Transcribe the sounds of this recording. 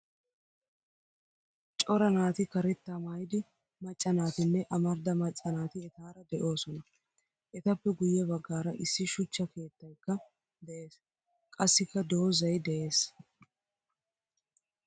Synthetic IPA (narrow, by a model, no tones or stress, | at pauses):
t͡ʃʼɔɾɐnaːt̪ɪkɐɾɛt̪ːamaːjɪd̪ɪ | mɐt͡ʃʼːɐnaːt̪ɪnːɛʔɐmɐɾd̪ɐmɐt͡ʃʼːɐnaːt̪ɪɛt̪aːɾɐd̪ɛʔo̞ːsɔnɐ | ʔɛt̪ɐpːɛɡʊjːɛbɐɡːaːɾɐʔɪsːɪʃʊt͡ʃːɐke̞ːt̪ːɐjkːɐ | d̪ɛʔe̞ːs | kʼɐsːɪkːɐd̪o̞ːzɐjd̪ɛʔe̞ːs